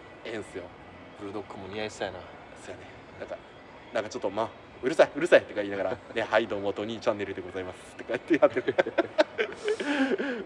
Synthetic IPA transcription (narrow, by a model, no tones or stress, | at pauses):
ẽɰ̃sɨjo̞ | bɯɾɯ̟d̪o̞kːɯmoɲ̟ʲiaiɕi̥t̪ajna | sojane | nãŋka | nãŋkat͡ɕot̪ːoma | ɯ̟ɾɯ̟saiɯ̟ɾɯ̟sait̪ːekaiːnaɡaɾane̞haid̪o̞ːmot̪o̞ɲ̟it͡ɕãnːe̞ɾɯ̟d̪e̞ɡo̞zaimasɨ̥t̪ːekat̪eat̪ːeka